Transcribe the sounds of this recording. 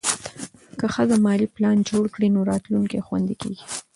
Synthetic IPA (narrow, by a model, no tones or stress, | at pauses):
kəxəzamɑliplɑnd͡ʒoɽkɽinoɾɑt̪luŋkexwa̰nd̪ikḛɡi̥